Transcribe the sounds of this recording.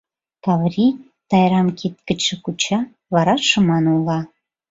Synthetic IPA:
kɑvrʲi | t̪ɑjɾɑmkit̪̚kə̆t͡ɕʃə̆kut͡ɕɑ | βɑɾɑʃə̆mɑnulˠɑ

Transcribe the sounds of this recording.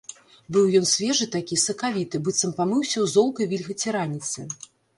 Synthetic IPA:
bɨwjɔnsʲvʲɛʐɨt̪akʲisɐkavʲit̪ɨbɨt̪sɐmpamɨwsʲɐwzɔlˠkɐjvʲilʲɣɐt͡sʲɛɾanʲit̪sɨ̰

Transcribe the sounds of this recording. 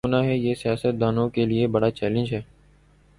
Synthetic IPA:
ʊnaːɦɛːjeːsɪjaːsət̪̚d̪aːnõːkeːlɪeːbəɽaːt͡ʃɛːlə̃nd͡ʒɦɛː

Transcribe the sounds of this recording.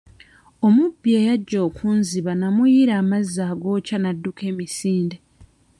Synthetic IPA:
o̞mubːie̞ːjaɟːo̞ːkʰuːnziβanamujiɾaːmazːaːɡo̞ːcanadːuke̞ːmisiːnde

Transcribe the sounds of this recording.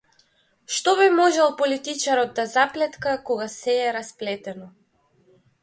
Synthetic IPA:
ʃt̪ɔβimɔʒɛlˠpɔlit̪it͡ʃaɾɔd̪̚d̪azaplɛt̪kakɔɡasɛːɾasplɛt̪ɛnɔ

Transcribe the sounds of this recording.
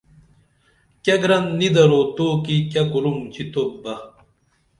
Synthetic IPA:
kɐɡɾɐnːid̪ɐɾot̪oːkikɐkuɾumt͡ɕʰit̪ʰobɐ

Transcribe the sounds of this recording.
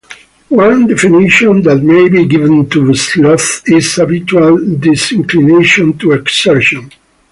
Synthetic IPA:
wãnd̪ɛfinɪʃɔ̃nd̪æt̪̚meɪbiɡɪvə̃ntuslɔθɪz̥habɪt͡ʃualdɪsɪ̃ŋklineʃɔ̃nt̪uɛksɛɹʃɔ̃n

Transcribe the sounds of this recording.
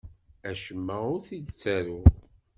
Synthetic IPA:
æʃəmːəʊɾθid̪t͡sːæɾʊ

